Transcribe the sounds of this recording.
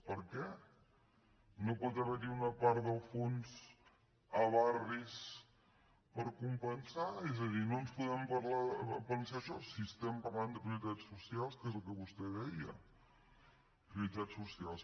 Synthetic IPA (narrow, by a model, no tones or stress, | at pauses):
pəɾkɛ | nopɔt̪əβəɾiunəpaɾðəlˠfonz | əβaris | pəɾkumpənsaɛzəðinonspuðɛmpəɾlapənsaəʃɔsiəst̪ɛmpəɾland̪əkiulit̪asːusialˠskezəlˠkəβust̪ɛðɛiə̰ | pɾiulit̪at͡sːusialˠs